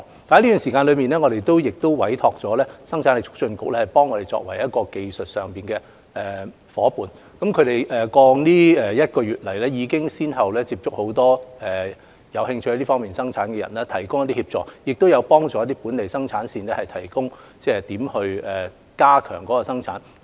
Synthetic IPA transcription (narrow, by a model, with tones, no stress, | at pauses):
t̪a˨˧˦li˥yː˨˩nsi˨kaː˧nlɵ˨˧miː˨nɛː˥ŋɔː˨˧ɾe˨jt̪o˥wjɪ˨k̚t̪o˥wwɐ˨˥jt̪ʰɔː˧k̚t͡sɔː˨˥lɛː˥sɐ˥ŋt͡ɕʰaː˨˥nht͡ʃʰʊ̥˥k̚t͡ʃɵ˧nkʊ˨k̚lɛ˥hɐ˨˩jpɔː˥ŋːɔ˨˧ɾe˨jt͡sɔ̰ː˧k̚wɐ˨˩jjɐ˥t̚kɔː˧ke˧jsɵ˨t̚sœː˨ŋmiː˨˩nkɛː˧ | ɛː˨˩ | fɔː˨˥puː˨n | kɐ˨˥mkʰɵ˨˧ɾe˨jʔɛː˨kɔː˧ŋniː˥ɛː˨˩jɐ˥t̚kɔː˧ɥyː˨t̚lɐ˨˩jlɛː˥jiː˨˧kɪ˥ŋsiː˥nɦɐ˨wlɛː˥t͡siː˧p̚t͡sʊ˥k̚ho˨˥wt̪ɔː˥ɛː˨˩ | jɐ˨˧whɪ˧ŋt͡ʃʰɵ˧hɐ˧˥liː˥fɔ˥ŋmiː˨nsɐ˥ŋt͡sʰaː˨˥nkɛ˧jɐ̰˨˩nlɛː˥t̪ʰɐ˨˩jkʊ˥ŋjɐ˥t̪i˥hiː˧p̚t͡sɔː˨k̚jɪ˨k̚t̪o˥wjɐ˨˧wpɔː˥ŋt͡sɔː˨jɐ˥t̪i˥puː˨˥nle˨jsɐ˥ŋt͡sʰaː˨˥nsiː˧nlɛ˥hɐ˨jt̪ʰɐ˨˩jkʊ˥ŋt͡sɛː˥t̪iː˨˥mhɵ˧ɥɛː˨ | kaː˥kʰœ̰ː˨˩ŋkɔː˨˥kɔː˧sɐ˥ŋt͡sʰa̰ː˨˥n